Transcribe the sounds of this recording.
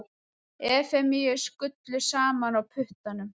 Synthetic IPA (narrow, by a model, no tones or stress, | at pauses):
ɛːfɛmijɪskʏt̪lɪsaːmanawpʰʏht̪anʏm